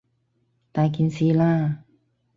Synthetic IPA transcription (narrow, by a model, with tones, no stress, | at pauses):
t̪aː˧˩ki˧nsi˧˦laː˧˩